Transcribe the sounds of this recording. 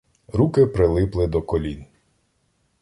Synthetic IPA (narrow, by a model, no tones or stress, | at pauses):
ɾukɪpɾɪlˠɪplˠɪd̪ɔkɔlʲin